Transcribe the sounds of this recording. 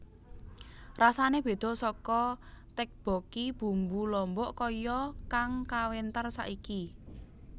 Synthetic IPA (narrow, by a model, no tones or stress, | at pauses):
rasaneb̥e̤d̪̥ɔ̤sɔkɔt̪ɛk̚b̥ɔ̤kib̥ṳmbulɔmbɔʔkɔjɔkaŋkawent̪ərsa̰ʔiki